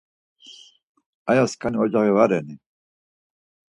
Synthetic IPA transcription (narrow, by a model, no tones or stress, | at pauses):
ajaskʰaniɔd͡ʒaʁivaɾɛni